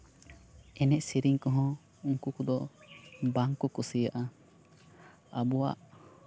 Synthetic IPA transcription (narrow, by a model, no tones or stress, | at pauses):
ɛnɛʔsiɾiŋkɔɦɔ̃ | uŋkukɔd̪ɔ | baŋkɔkɔsijaʔa | abɔwa̰ʔ